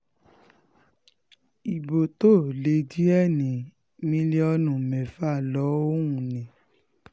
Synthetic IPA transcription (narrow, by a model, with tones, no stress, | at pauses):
i˨bo˨to˦˨le˨˧di˦ɛ˦˨nĩ˨˦ | mĩ˧˦le˦ɔ˧nũ˨mɛ̃˨fa˦˨lɔ˨˦o˦ũ˦˨nĩ˨˦